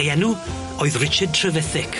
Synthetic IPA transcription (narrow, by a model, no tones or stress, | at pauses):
jɛnu | oɨðrɪt͡ʃɪd̚tʰrəvɛθɪkʰ